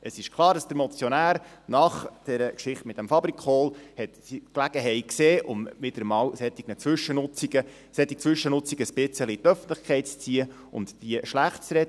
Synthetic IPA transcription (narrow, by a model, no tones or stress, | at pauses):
əsɪʃkʰlˠɑːɾdɑsd̥əɾmɔt͡sjɔnæːɾnɑχd̥ɛɾəkʃɪχtmɪt̚d̥æmfɑbɾikχoːlhɛt̪siklæɡ̥əɦɛɪkseːʔʊmmɪd̪əɾəmɑːwsɛt̪iɡnət͡sʋʏʃənʊt͡siɡə | sɛt̪ːit͡sʋʏʃənʊt͡sikəspɪt͡səlit̪œfən̩tləχkʰɛɪtt͡st͡siːə | ʊ̰nd̪d̥iəʃlæχt̚t͡sɾɛd